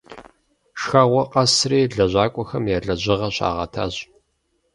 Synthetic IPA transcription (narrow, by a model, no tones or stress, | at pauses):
ʃxɐʁʷɔqɐsreːɮɐʑʷaːkʷʼɔxɐmjaːɮɐʑɪʁɐɕa̰ːʁɐ̰tʰa̰ːʑ